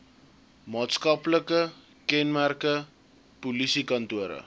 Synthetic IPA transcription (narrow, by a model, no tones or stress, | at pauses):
mɑːtskɐpləkə | kɛnmærkə | pulisikɐntuəɾə̰